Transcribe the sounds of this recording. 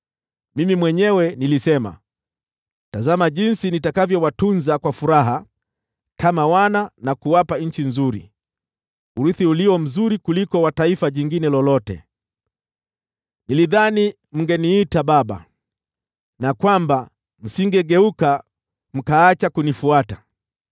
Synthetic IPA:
mimimwɛɲɛwɛnilisɛma̰ | tazamaʄinsinitakavjɔwatunzakwafuɾaɦa | kʰamawananakuwapaɲ̩t͡ʃinzuɾḭ | uɾuθiuliɔm̩zuɾikulikɔwataifaʄiŋɡinɛlɔlɔtɛ̰ | niliðani | m̩ŋɡɛniːtaɓaɓa̰ | nakwamba | m̩siŋɡɛɠɛuka | m̩kaat͡ʃakunifuatḁ

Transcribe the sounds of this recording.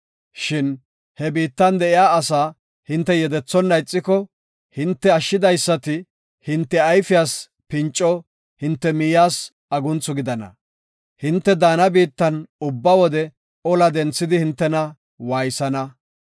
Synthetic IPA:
ʃɪn | hɛbiːt̪ːɐnd̪ɛʔɪjaːɐsaː | hɪnt̪ːɛjɛd̪ɛt͡sːɔnːɐjɪt͡sʼːɪkɔ | hɪnt̪ːɛɐʃːɪd̪ɐjsːɐt̪ɪ | hɪnt̪ːɛɐjfɪjaːs | pɪnt͡ʃʼːɔ | hɪnt̪ːɛmɪjaːs | ɐɡʊnt͡sːʊɡɪd̪ɐnɐ̰ | hɪnt̪ːɛd̪aːnɐbiːt̪ːɐnʊbːɐwɔd̪ɛ | ɔlɐd̪ɛnt͡sːɪd̪ɪhɪnt̪ːɛnɐ | waːjsɐnɐ

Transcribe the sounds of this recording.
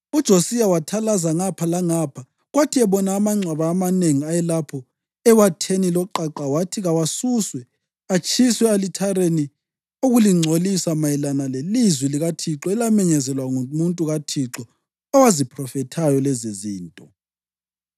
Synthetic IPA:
ud̥ʒ̥ʱosijawatʰalazaŋapʰalaŋapʰa | ɣwatʰiɛβɔnaːmaŋ͡ǀʱaβaːmaneŋiajɛlapʰɔ | ɛwatʰenilɔǃaǃawatʰiɣawasuːswɛ | at͡ʃʰʼiswɛalitʰareni | uɣuliŋ͡ǀʱolisamajɛlanalelizwiliɣatʰiǁɔɛlamɛɲɛzɛlwaŋumuntʼuɣatʰiǁɔ | ɔwazipʰrɔfɛtʰajɔlɛzeziːntʼɔ

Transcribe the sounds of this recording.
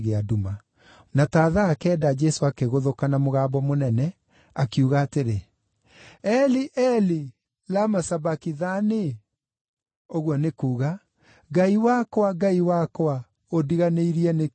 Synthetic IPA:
ɣeaduma | nataðaːkɛːdad͡ʒɛsoakeɣoðokanamoɣaːbɔmonɛnɛ | akiuɣaːteɾe | ɛliʔɛli | lamasabakiðane | oɣwɔnekuːɣa | ɡaiwakwaɡaiwakwa | odiɣaneiɾiɛne

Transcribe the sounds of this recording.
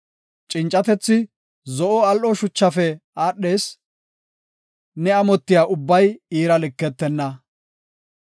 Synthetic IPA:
t͡ʃʼɪnt͡ʃʼːɐt̪ɛt͡sːɪ | zɔʔɔɐlʔɔʃʊt͡ʃːɐfɛaːɗːe̞ːs | nɛɐmɔt̪ːɪjaːʔʊbːɐjiːɾɐlɪkːɛt̪ːɛnːɐ

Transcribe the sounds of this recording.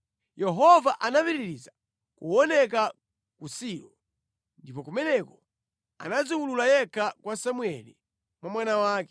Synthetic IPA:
jɛɦɔvaʔanapiɾiɾiza | kuɔnɛka | kusiːwɔ | ndipɔkumɛnɛkɔ | a̰nad͡zuwululajɛkʰakwasamwɛli | mwamwanawaːkɛ

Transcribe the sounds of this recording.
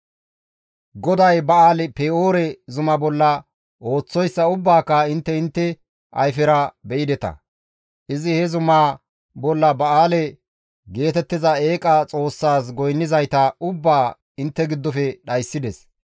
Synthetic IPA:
ɡɔd̪ɐjbɐaːlɛpeoːɾɛzʊmɐbɔlːɐ | o̞ːt͡sːɔjsːɐʊbːaːkːɐɪnt̪ːɛɪnt̪ːɛ | ʔɐ̰jfɛɾɐbɛʔɪd̪ɛt̪ɐ̰ | ʔɪzɪhɛzʊmɐ | bɔlːɐbɐaːlɛ | ɡe̞ːt̪ɛt̪ːɪzɐe̞ːkʼɐt͡sʼo̞ːsːaːsɡɔjnːɪzɐjt̪ɐʊbːaː | ɪnt̪ːɛɡɪd̪ːɔfɛɗɐjsːɪd̪ɛs

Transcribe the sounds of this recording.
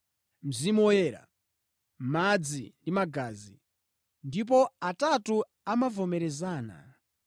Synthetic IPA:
m̩zimuɔjɛːɾa̰ | mad͡zindimaɡʱaːzi | ndip̬ɔatatu | amavɔmɛɾɛzaːna̰

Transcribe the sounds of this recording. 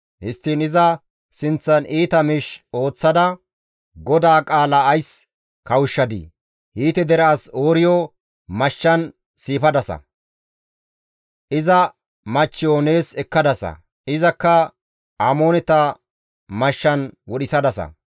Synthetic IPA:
hɪst̪ːiːnɪzɐ | sɪnt͡sːɐnʔiːt̪ɐmɪʃo̞ːt͡sːɐd̪ɐ | ɡɔd̪aːkʼaːlɐɐjs | kɐwʊʃːɐd̪ḭ | hiːt̪ɛd̪ɛɾɐɐsoːɾɪjɔ | mɐʃːɐn | siːpɐd̪ɐsɐ̰ | ʔɪzɐ | mɐt͡ʃːɪjoneːsɛkːɐd̪ɐsɐ̰ | ɪzɐkːɐ | aːmoːnɛt̪ɐ | mɐʃːɐnwɔɗɪsɐd̪ɐsɐ̰

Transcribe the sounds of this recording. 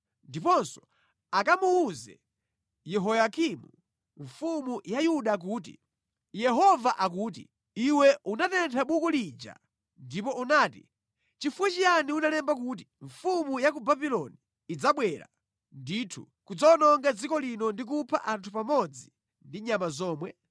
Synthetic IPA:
ndipɔnsɔ̥ | akamuuzɛ̰ | jɛɦɔjakimu | ɱfumujajuɗak̬uːt̬ḭ | jɛɦɔvaʔak̬uːt̬ḭ | iwɛunatɛntʰaɓukɔlid͡ʒa̰ | ndipɔunaːtḭ | t͡ʃifuwɛt͡ʃijaniunalɛmbak̬uːt̬i̥ɱfumujak̬ubabilɔniː | d͡zaɓwɛɾa̰ | ndiːtʰu | kud͡zaɔnɔŋɡad͡zikɔlinɔndik̬upʰa̰ʔantʰupamɔd͡zi | ndiɲamazɔːmwɛ

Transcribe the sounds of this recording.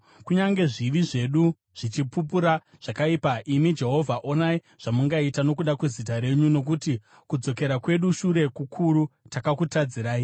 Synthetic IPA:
kuɲaŋɡe̞ʐiʋiʐe̞ɗu | ʐ̥it͡ʃipupuɾa | ʐ̥akaipaʔimid͡ʒe̞ɦo̞vʱaʔo̞nai | ʐ̥amuŋɡaitano̞k̬uɗakwezit̬aɾe̞ɲuno̞k̬uti | kud͡zo̞ke̞ɾakwe̞ɗuʃuɾe̞kukʰuɾutakakutad͡ziɾaːi

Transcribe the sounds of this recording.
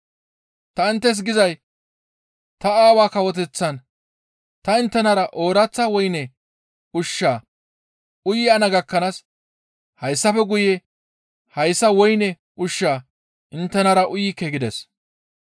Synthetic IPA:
t̪ɐɐnt̪ːɛs̬ɡɪzɐj | t̪ɐaːwaːkɐwɔt̪̬ɛt͡sːɐn | t̪ɐɪnt̪ːɛnɐɾɐʔoːɾɐt͡sːɐwɔjnɛ | ʊʃːaː | ʊjɪɐnɐɡɐkːɐnas | hɐjsːɐfɛɡʊjɛ | hɐjsːɐwɔjnɛ | ʔʊʃːaː | ʔɪnt̪ːɛnɐɾɐʔʊjɪkːeɡɪd̪ɛs

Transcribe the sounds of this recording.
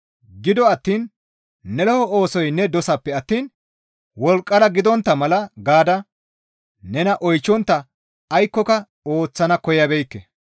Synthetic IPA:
ɡɪd̪ɔɐt̪ːiːnː | ɛlɔhɔo̞ːsɔjnɛd̪ɔsɐpːɛɐt̪ːiːn | wɔlkʼːɐɾɐɡɪd̪ɔnt̪ːɐmɐlɐɡaːd̪ɐ | nɛnɐʔɔjt͡ʃːɔnt̪ːɐː | jkːɔkɐ | o̞ːt͡sːɐnɐkɔjɐbɛjkːɛ

